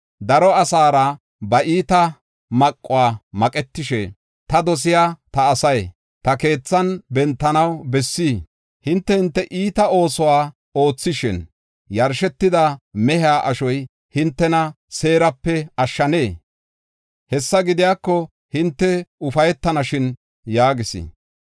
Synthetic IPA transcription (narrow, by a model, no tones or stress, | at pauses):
d̪ɐɾɔɐsaːɾɐ | bɐʔiːt̪ɐ | mɐkʼːʊwaːmɐkʼɛt̪ːɪʃɛ̰ | t̪ɐd̪ɔs̬ɪjaːt̪ɐːsɐj | t̪ɐke̞ːt͡sːɐnbɛnt̪ːɐnɐwbɛsːiː | hɪnt̪ːɛhɪnt̪ːɛʔiːt̪ɐo̞ːsɔwaː | o̞ːt͡sːɪʃɪ̰n | jɐɾʃɛt̪ːɪd̪ɐmɛhɪaːʔɐʃɔj | hɪnt̪ːɛnɐ | se̞ːɾɐpːɛɐʃːɐne̞ː | hɛsːɐɡɪd̪ɪjaːkːɔ | hɪnt̪ːɛʊfɐjɛt̪ːɐnɐʃɪn | jaːɡɪsḭ